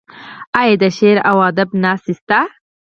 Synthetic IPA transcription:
ajed̪əʃeɾa̰wɑːd̪ɐbnasist̪a

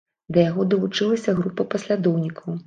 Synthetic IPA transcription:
d̪ɐjaɣɔd̪ɐlˠut͡ʂɨlˠɐsʲɐɣɾupɐpɐsʲlʲad̪ɔwnʲikʰɐw

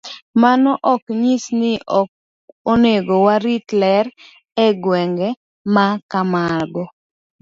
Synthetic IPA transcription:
manɔʔɔkɲisnɪʔɔk̚ | oneɡɔwaɾit̪lɛɾ | ɛɡwɛŋɡɛ | makamalɡɔ

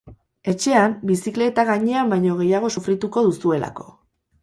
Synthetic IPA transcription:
e̞t͡ʃe̞ambisikle̞t̪aɣaɲe̞ambajɲo̞ɣ̞e̞jaɣ̞o̞sufɾit̪uko̞ðusue̞la̰ko̞̥̰

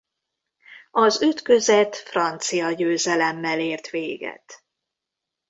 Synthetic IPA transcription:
ɒzøt̪køzɛt̪frɒnt̪sijɒɟøːzɛlɛmːɛleːrt̪ʋeːɡɛ̰t̪

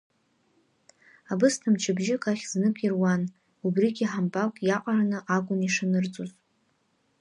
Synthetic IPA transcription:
abɨstʰɨmt͡ʃʰɪbʒɪkʼaχʲznɨkʷʰʼirwan | ubriɡʲiħambakʷʼjaqʼaranɨʔaɡʷʼʊniʂɨnɨrt͡sʼoz

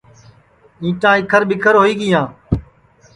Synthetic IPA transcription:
ĩːʈãːɪkʰəɾɓɪkʰəɾɦoːiːɠiːãː

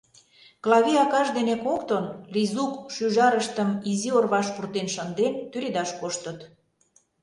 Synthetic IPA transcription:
klɑβeɑkɑʒd̪enekokt̪onlizukʃyʒɑɾəʃt̪ə̆miziorβɑʃpurt̪enʃɑnd̪ent̪yɾed̪ɑʃkoʃt̪ə̆t̪

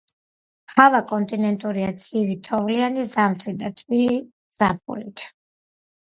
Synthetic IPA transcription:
havakʼɔnt̪ʼinɛnt̪ʼuɾiat̪sʰivit̪ʰɔvlianizamt̪ʰɾid̪at̪ʰʼvili | z̥ap̚ʰʼṵlit̪ʰ

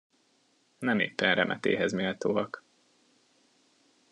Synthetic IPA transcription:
nɛmḛːpːɛnrɛmʔɛt̪ḛːɦɛzmiːlt̪oːɒk

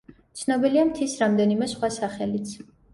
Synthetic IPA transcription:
t̪sʰnɔbiliamt̪ʰisɾamd̪ɛnimɛsχwasaχɛlit̪sʰ

